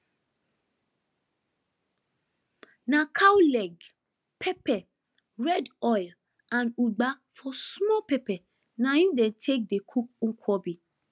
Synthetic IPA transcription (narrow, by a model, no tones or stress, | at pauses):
nãkʰawlɛɡ | pʰɛpɛ | ɹɛdɔjl | ãnuɡ͡ba | fɔsmɔpɛpɛ | nãjũdɛ̃ntʰek̚dekʰuk̚ŋ̩kʰɔbi